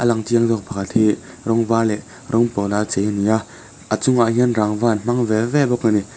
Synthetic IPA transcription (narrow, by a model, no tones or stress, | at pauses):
ʔəlaŋtiəŋzɔk̚pʰakʰat̪̚hi | ɾɔŋvalɛ | ɾɔŋpɔlat͡sejənia | ʔət͡sʊŋaʔɦiənraŋvaːnm̥aŋvɛvɛbɔkːani